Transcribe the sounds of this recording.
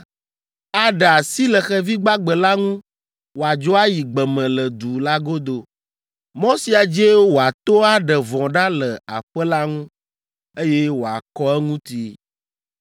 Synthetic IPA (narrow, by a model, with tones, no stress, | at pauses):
a˦ɖə˨a˨si˦lɛ˨xɛ˦vi˦ɡ͡ba˦ɡ͡bɛ˨la˦ŋũ˦ | wo˨a˨d͡ʒo˦a˦ji˨ɡ͡bɛ˨mɛ̃˨lə˨d̪u˨la˦ɡo˦d̪o˦ | mɔ̃˦si˦a˨d͡ʒe˦wo˨a˨t̪o˦a˦ɖɛ˨vɔ̃˨ɖa˦lə˨a̰˨ɸə˦la˦ŋũ˦ | e˦jɛ˦wo˨a̰˨kɔ˦ɛ˦ŋũ˦t̪i˨